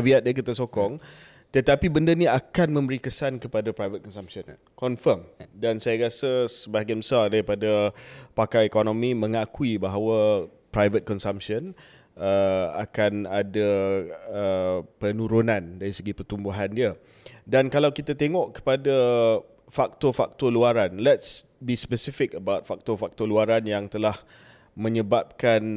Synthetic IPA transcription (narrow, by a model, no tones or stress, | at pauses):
viat̪̚diakit̪asokɔŋ | t̪ət̪apibəndənĩakanmə̃mbəɾikəsankəpadapɾajvət̪̚kɔnsampsən | kɔnfərmdansajaɾasəsəbaɦɡanbəsardaɾipadapakajekonõmĩmə̃ŋakuibaɦawa | pɾajvət̪̚kɔnsampsən | əa̰kanada | əpənuɾunãndaɾisəɡipərt̪umbuɦandiə | dankalawkit̪at̪eŋɔʔkə̥pada | fak̚t̪ɔfak̚t̪ɔluaɾanlɛts | bispəsifɪkəbawt̪̚fak̚t̪ɔfak̚t̪ɔluaɾanjaŋt̪əlah | mə̃ɲəbap̚kan